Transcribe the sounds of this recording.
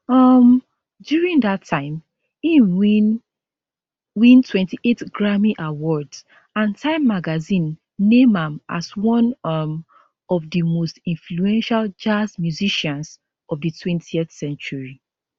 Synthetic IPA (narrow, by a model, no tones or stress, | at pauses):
ʌm | djuɹĩŋdatʰːãɪ̃m | ĩnwin | wĩntʰwɛ̃ntiʔetɡɹamiʔawɔds | ãntʰãɪ̃mːaɡazĩnː | ẽmãmʔa̰swɔ̃nʌm | ɔvdəmostĩnfluɛ̃nʃald͡ʒasmjuziʃãns | ɔvdətʰwɛ̃ntiɛθsɛ̃nt͡ʃuɹi